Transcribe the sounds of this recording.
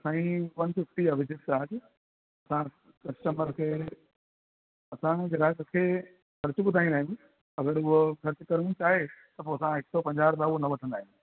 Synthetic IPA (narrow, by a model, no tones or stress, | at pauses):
sãːĩʋɐnsɪfʈiəʋɪd͡ʑɪt̪aːd͡ʑ | ɐsã | kɐsʈəməɾkʰeː | ɐsãɡɾaːkkʰeː | xɐɾt͡ɕʊɓʊd̪ʱaːĩd̪aːɦijũ | ɐɡəɾʊɦoxɐɾt͡ɕkɐɾt͡ɕaːɦet̪ɐp̬oɐsãɦɪksopɐ̃ɲd͡ʑaːɾbaʊɦonɐʋɐʈʰə̃nd̪aːɦĩjũ